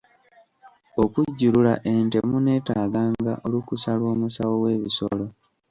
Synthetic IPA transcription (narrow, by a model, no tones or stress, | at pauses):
okuɟːululaʔe̞nte̞mune̞ːtaːɡaːŋɡaʔolukusalwo̞ːmusawo̞we̞ːβiso̰lo̞